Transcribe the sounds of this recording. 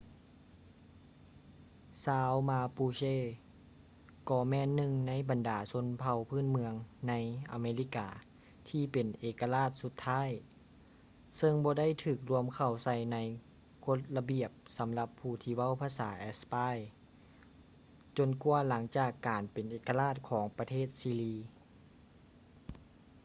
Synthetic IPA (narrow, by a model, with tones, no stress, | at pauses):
saː˧wmaː˧puː˧seː˧˥˩ | kɔː˧˩mɛː˧˥˨nːɯ˧ŋna˧˥˨jba˨ndaː˨˩so˧˥˨npʰa˧wpʰɯː˥˩˨nmɯ˧əŋna˧˥jʔa̰˨˩meː˧li˧˥kaː˨ | t̪ʰiː˧˩pe˨˩nʔeː˨˩kːa˧laː˥˩t̪̚su˧˦t̪ʰːaː˧˥˨j | sɤ˧ŋbɔː˧˦da˥˨jt̪ʰɯː˧˩k̚lu˧əmkʰa˧˩wsa˧˩jna˧˥j | kʰo˧˥t̪̚la˧bi˨˩əp̚sa˨˦mla˧pʰːuː˧˩t̪ʰiː˧wa˥˨wpʰaː˧saː˩˦ʔɛ˧spaː˧˥˩j | t͡ɕo˧˩nkuː˧əla˩˦ŋt͡ɕaː˨˩kːaː˨npe˨nʔeː˨ka˧laː˥˩t̪̚kʰɔː˩˦ŋpa˧t̪ʰeː˥˩t̪̚siː˧liː˧